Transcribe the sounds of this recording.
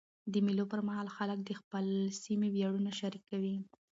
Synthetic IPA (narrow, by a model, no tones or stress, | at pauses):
d̪əmilopəɾmaɦɑlxalək̚d̪əxpəlsimewjaɽunaʃaɾikːawi